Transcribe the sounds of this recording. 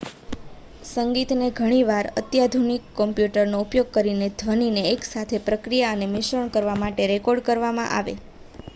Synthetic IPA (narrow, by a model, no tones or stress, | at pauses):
səŋɡit̪neɡʱəɽ̃iʋaɾə̰t̪jad̪ʱunikːɔmpjuʈəɾnoupjoɡ̚kəɾined̪ʱʋənineːksat̪ʰepɾəkɾijaənemɪʃəɳkəɾʋamaʈeɾekɔɾɖkəɾʋamã̰ʔa̰ʋḛ